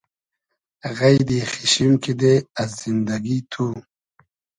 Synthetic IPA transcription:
ɣajd̪ixiɕimkid̪eazzind̪ɐɡit̪ʰu

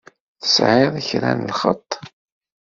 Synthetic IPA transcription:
θə̥sʕeðˤiçɾæ̰nəlχə̰t̪ˤː

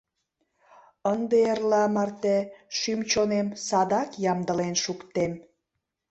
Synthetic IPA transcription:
ənd̪eerlɑmɑrt̪eʃymt͡ɕonemsɑd̪ɑkjɑmd̪əlenʃukt̪em

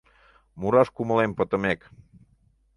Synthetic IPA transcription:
muɾɑʃkuməlempət̪əmek

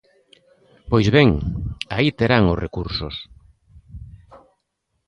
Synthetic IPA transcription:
pojzβeŋait̪eɾaŋosrʔekuɾso̰s

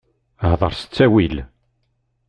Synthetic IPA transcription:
əhðˤə̰ɾˤsə̥t͡sːæwil

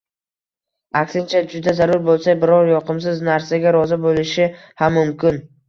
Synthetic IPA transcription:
akʲsɪnt͡ʃʰad͡ʒʊd̪azaɾʊɾbolˠsajbɪɾɒɾjɒqʰɨms̬ɪznaɾsaɡʲaɾɒzɪbolɪʃɪ | hamːʊmkʲɪn

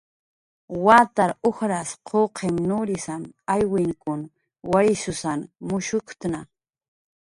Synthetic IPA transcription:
waːt̪aɾoxɾasqʰoqʰemnʊɾɪsamajwɪŋkʊn | wajsʊsanmʊʃʊkt̪na

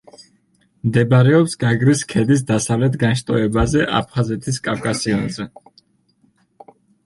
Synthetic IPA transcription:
md̪ɛbaɾɛɔpsɡaɡɾiskʰɛd̪is̬d̪asavlɛt̪ʰɡanʃt̪ʼɔɛbazɛʔa̰pʰχazɛt̪ʰiskʼafkʼasiɔnzɛ

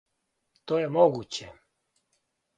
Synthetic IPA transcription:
t̪oːjemoɡut͡ɕe

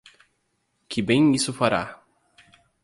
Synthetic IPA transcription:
kʰɪbẽj̃isʊfaɾa̰

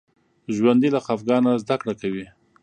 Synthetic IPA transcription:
ʒwand̪ilaxafɡɑnazd̪akɽakawi

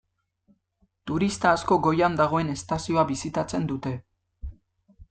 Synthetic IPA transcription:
t̪uɾist̪aːsko̞ɡo̞jand̪aɣ̞o̞e̞ne̞st̪asio̞aβisit̪at͡se̞nd̪ut̪e̞

